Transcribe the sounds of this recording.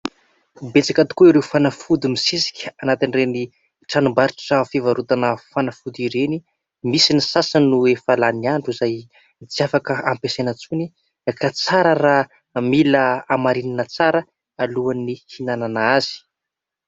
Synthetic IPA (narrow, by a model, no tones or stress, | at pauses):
bet͡sakat̪u̥kuiɾewfanafud̪imisisi̥kʲanat̪inreni | ʈ͡ʂanumbaɾiʈ͡ʂʈ͡ʂafivaɾut̪anəfanafud̪iɾeni | misinisasanuefalaniaɳɖ͡ʐuzaj | t͡siafakəampesenat͡suni | kat͡saɾəra | miləamaɾininət͡saɾə | aluanihinananaaz̥i̥